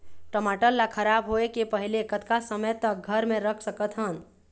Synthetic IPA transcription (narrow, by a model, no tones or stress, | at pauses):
ʈəmaʈəlːakʰəɾabɦoekepəɦilekət̪kasəməjt̪ək̚ɡʱəɾmeɾəkʰsəkət̪ɦən